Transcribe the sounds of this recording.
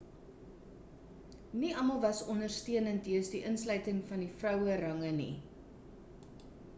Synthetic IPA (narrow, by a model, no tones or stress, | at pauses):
niɐmɐlˠvɐsɔndərstiənəntiəsdiʔənslœɥtəŋfɐnifrœwəɾɐŋənḭ